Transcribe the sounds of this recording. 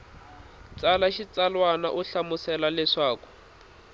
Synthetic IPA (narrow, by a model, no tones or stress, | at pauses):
t͡salaʃit͡salwana̰ʔuɬamʊsɛlalɛʂaːkɔ̥